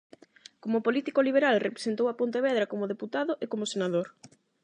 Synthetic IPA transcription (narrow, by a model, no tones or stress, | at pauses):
komʊpolit̪ikoliβ̞eɾalrepɾe̥sent̪owapont̪eβɛðɾakomoð̞eput̪aðʊʔekomosenaðoɾ